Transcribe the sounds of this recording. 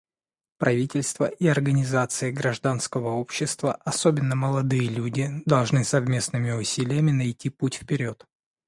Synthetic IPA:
pɾʔɐvʲitʲɪlʲst̪vəʔiɐrɡənʲɪzat̪sɨɪɡɾɐʐd̪anskəvəo̞pɕːɪst̪vəʔɐsobʲɪnːəməlˠɐd̪ɨjəlʲudʲɪd̪ɐlˠʐnɨsɐvmʲe̞snɨmʲɪʊsʲilʲɪjəmʲɪnɐjtʲiputʲfpʲɪɾʲo̞t̪

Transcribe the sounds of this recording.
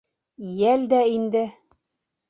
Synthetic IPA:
jæld̪æind̪ɘ

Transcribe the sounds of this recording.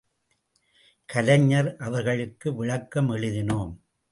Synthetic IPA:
kɐlɐɲːɐɾʔɐʋɐɾɣɐɭɯkːɯʋɪɻɐkːɐmɛɻɯðɪnoːm

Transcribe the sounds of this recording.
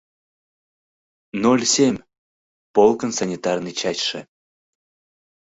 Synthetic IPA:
nolʲsʲemʲ | polˠkənsanʲit̪ɑrnɨt͡ɕɑt͡ɕʲʃe

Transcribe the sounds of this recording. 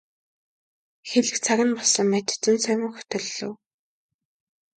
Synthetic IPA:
xeɮɘ̆kt͡sʰaɣʲɪ̆npɔsə̆mːæt̪ʰt͡sɘ̆nsʰœjmə̆ŋxɵ̥t̪ɵ̆ɮɵ̰̆w

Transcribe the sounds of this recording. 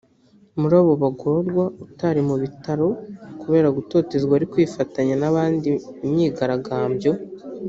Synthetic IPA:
muɾaːβo̞βaɡoɾɡwautaɾimuβitaɾo̞kuβe̞ːɾaɡuto̞ːte̞zɡwaːɾikwiːfataɲanaβaːndiːmɲiːɡaɾaɡaːmbjo̞

